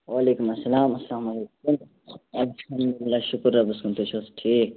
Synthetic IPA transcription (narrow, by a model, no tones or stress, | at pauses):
waːleːkumɐsːɐlaːmɐslaːmɐlekum | ɐlhɐmd̪ulɪlːaːʃʊkɾːabɐskunt̪ut͡ʃʰosʈʰiːk̚